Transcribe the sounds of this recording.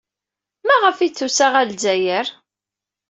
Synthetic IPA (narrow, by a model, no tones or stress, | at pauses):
mæʁəfit͡sːusaʁælzæjəɾ